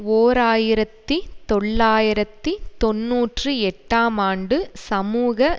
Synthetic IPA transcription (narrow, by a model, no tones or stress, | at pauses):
oːɾaːjɪɾɐt̪ːit̪ɔɭːaːjɪɾɐt̪ːit̪ɔnːuːʈrɯɛʈːaːmaːɳɖɯsɐmuːɣɐ